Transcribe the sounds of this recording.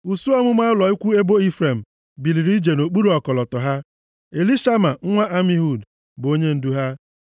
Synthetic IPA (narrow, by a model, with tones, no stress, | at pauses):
u˨su˦ɔ˦mʊ˦ma˦lɔ˨i˦kʷu˦e˦bo˦i˦fɾe˨m̩˨ | bi˨li˨ɾi˦d͡ʒe˨no˨k͡pu˦ɾi˨ɔ˨kɔ˨lɔ˨tɔ˨ɦa˦ | e˨li˦ʃa˦ma˨ŋ̩˦ŋʷa˦ʔa˦mi˦ɦu˨d | bʊ˨o˦ɲe˦n̩˦du˦ɦa˦